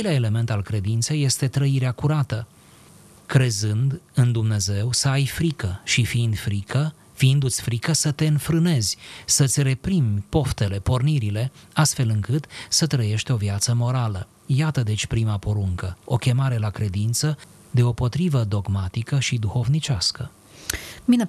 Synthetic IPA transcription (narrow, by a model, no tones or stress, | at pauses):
jleaele̞me̞nt̪alkɾe̞d̪int̪se̞jːe̞st̪e̞t̪ɾəiɾeakuɾat̪ə | kɾe̞zɨnd̪ɨnd̪umne̞ze̞wsəajfɾikəʃifiind̪fɾikə | fiind̪ut̪sʲfɾikəsət̪e̞ɨnfɾɨne̞zʲsət̪sʲre̞pɾimʲpo̞ft̪e̞le̞po̞rniɾile̞ast̪fe̞lɨŋkɨt̪sət̪ɾəje̞ʃt̪ʲo̞viat̪səmo̞ɾalə | jat̪əd̪e̞t͡ʃʲpɾimapoɾuŋkəo̞kʲe̞maɾe̞lakɾe̞d̪int̪sə | d̪e̞o̞po̞t̪ɾivəd̪o̞ɡmat̪ikəʃid̪uxo̞vnit͡ʃaskə | mi